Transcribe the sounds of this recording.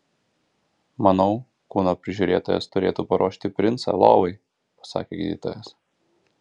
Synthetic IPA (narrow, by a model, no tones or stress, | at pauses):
mɐnɒʊ | kuːnoːpʲɾʲɪʒʲuɾʲeːt̪oːjɛ̰st̪ʊɾʲeːt̪uːpɐɾoːʃʲt̪ʲɪpʲɾʲɪnt̪sɑ̰lˠo̰ːʋɐɪ | pɐ̥sɑ̰ːkʲeːɡʲḭd̪ʲḭːt̪o̰ːjɛs